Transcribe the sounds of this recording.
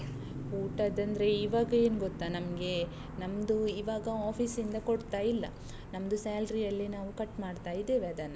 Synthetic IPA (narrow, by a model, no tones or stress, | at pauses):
uːʈɐd̪ɐnd̪ɾe̞iːʋaːɡɐeːnuɡot̪ːanɐmɡe̞ | nɐmd̪uiʋaːɡɐaːpʰiːsind̪ɐkoɽt̪aːjilːɐ̰ | nɐmd̪usaːlɾijɐlːinaːʋukɐʈːmaːɖt̪aːjid̪eːʋeɐd̪ɐnːɐ